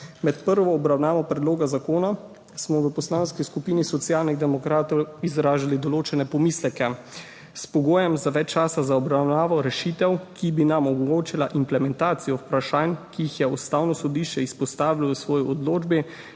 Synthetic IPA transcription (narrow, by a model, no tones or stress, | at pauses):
mɛt̪pəɾʋɔːbɾawnaːʋɔpɾɛd̪loːɡazakoːna | smɔʋəpɔslaːnskiskupiːnisɔt̪sijaːlniɣd̪ɛmɔkɾaːt̪ɔwizɾaːʒalid̪ɔloːt͡ʃɛnɛpɔmiːslɛkɛ | spɔɡoːjɛmzaʋɛt͡ʃt͡ʃːaːsazaɔbɾawnaːʋɔɾɛʃiːt̪ɛwkibinamɔmɔɡoːt͡ʃilaʔimplɛmɛnt̪aːt̪sijɔpɾaʃaːnkiixjɛust̪aːwnɔsɔd̪iːʃt͡ʃɛispɔst̪aːʋilasʋɔːjiɔd̪loːd͡ʒbi